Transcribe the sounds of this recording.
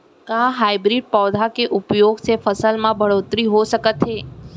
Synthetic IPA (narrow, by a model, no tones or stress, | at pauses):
kãɦaibɾiɖ̚pɔʋd̪ʱakeʔupjoɡt͡ʃʰefəsəlmãbʱəɽot̪ɾiɦoʃəkət̪ʰːe